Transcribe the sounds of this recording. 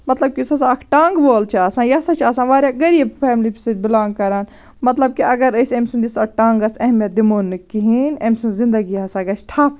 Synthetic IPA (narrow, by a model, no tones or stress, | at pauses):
mɐt̪lɐb̚kʲisɐsaɐkʰʈaːŋɡboːlt͡ʃʰiaːsãːjɐsɐt͡ʃʰaːsãːʋaːɾʲjaɡɐɾiɐpʰɛːmlipsɐbɪlãːŋɡ̚kɐɾaːn | mɐt̪lɐb̚kiʔɐɡɐɾɐsemʲsund͡ʒisɐʈãːŋɡɐsɐɦmɐd̪imoːnːɨkiɦinɐmʲsũnzɪ̃nd̪ɐɡiɐsaɡɐsʈʰa